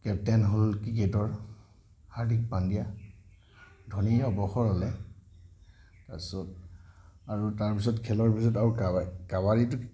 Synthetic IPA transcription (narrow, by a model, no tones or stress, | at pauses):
kɛp̚tɛnɦolkiketɔɹ | haɹdʱik̚pandija | dʱoniɔbɔxɔɹalɛ | tasɔt̚ | aɹutaɹpis̬ɔtkʰɛlɔɹpisɔtaɹukakabaɹitʊ